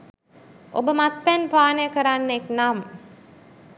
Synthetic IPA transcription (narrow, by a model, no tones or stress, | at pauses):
ʔobəmat̪̚pɛnpaːnəjəkəɾanːeknam